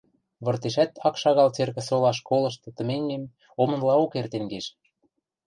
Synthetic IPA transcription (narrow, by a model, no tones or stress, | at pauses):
βɤ̆rt̪eʃæt̪ɑkʃɑɣɑlt͡serɣɘ̆solɑʃkolɤ̆ʃ̬t̪ɤ̆t̪ə̆meŋːem | omɤ̆nlɑokert̪enɡeʃ